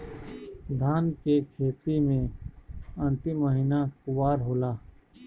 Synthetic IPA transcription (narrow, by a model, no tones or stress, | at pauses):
d̪ʱaːnkekʰeːt̪imẽ | ə̃nt̪ɪmːəɦinakʊwaːɾɦoːlaː